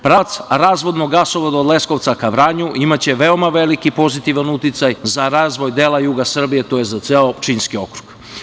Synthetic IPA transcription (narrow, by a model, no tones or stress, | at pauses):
pɾat̪sɾaːzʋo̞d̪noɡasoʋod̪aod̪le̞sko̞ʋt̪sakaʋɾaːɲuʔimat͡ɕe̞ʋe̞o̞maʋe̞likipo̞zit̪iʋanut̪it̪sajzaɾaːzʋo̞jd̪eːlajuːɡasr̩bije̞t̪o̞je̞zat̪seot͡ʃinskio̞kɾu̥ɡ̥